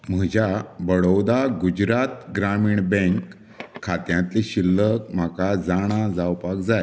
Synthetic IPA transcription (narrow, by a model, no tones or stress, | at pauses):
m̤əd͡ʑʱjabəɽəwd̪aɡud͡ʑɾat̪ɡɾamiːɳbẽŋkʰː | at̪jãt̪liɕilːəkm̤akad͡zaɽ̃ad͡zawpakd͡zaj